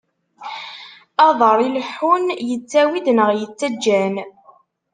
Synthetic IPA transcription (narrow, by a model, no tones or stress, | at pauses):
ɑðˤəɾˤilħunjət͡sːæwid̪nəʁjət͡sːæd͡ʒːæn